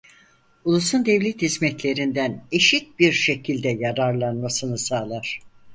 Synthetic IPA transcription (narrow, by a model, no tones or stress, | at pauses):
ulˠusund̪ɛvlʲɛt̪hizmɛt̪lʲe̞ɾind̪æne̞ʃit̪̚biɾʃe̞cʰilʲd̪ɛjaɾaɾlˠanmasɯnɯsaːlˠaɾ̥